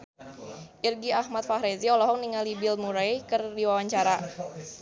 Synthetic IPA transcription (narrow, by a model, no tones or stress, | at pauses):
ʔirɡiahmat̪̚fahɾeziɔlɔɦɔk̚niŋalibɪlmuɾajkɨrdiwawaɲt͡ʃaɾa